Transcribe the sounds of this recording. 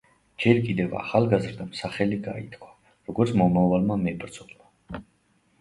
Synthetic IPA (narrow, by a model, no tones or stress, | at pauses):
d͡ʒɛɾkʼid̪ɛva̰χalˠɡazɾd̪amsaχɛliɡait̪ʰkʰwa | ɾɔɡɔɾt̪sʰmɔmavalˠmamɛbɾd̪zɔma